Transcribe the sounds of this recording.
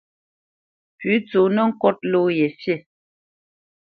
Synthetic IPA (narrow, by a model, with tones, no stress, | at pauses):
pʉ˨˦t͡so˨nə˦ŋ̩˦kɔ˦t̚lo˦je˨sje˦˨